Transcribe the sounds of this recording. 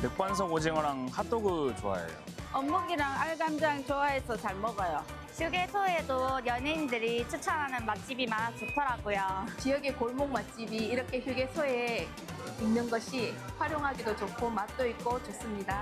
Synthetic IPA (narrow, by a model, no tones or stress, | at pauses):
pek̚p͈wansʰʌɡod͡ʑeŋɯɾaŋkʰat͈oɡɯt͡ɕoa̰jḛjo̰ | ʌmːuɡiɾaŋaɭɡamd͡ʑaŋt͡ɕoae̞sʰʌt͡ɕaɭmʌɡʌjo | çjuɡesʰoedojʌnindɯɾit͡ɕʰɯt͡ɕʰʌɦanɯnmat̚t͡ɕ͈ibimanat͡ɕotʰʌɾaɡojot͡ɕijʌɡekoɭmoŋmat̚t͡ɕ͈ibiːɾʌkʰe̞çjuɡe̞sʰoe | inːɯnɡʌɕʰi | ɸwaɾjoŋɦaɡidot͡ɕokʰomat̚t͈oik̚k͈ot͡ɕos͈ɯmɲida